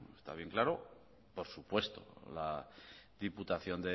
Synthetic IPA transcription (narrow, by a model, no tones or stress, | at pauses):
est̪a̰βje̞ŋklaɾo̞ | po̞ɾsupwe̞st̪o̰laðiput̪aθjo̞nd̪e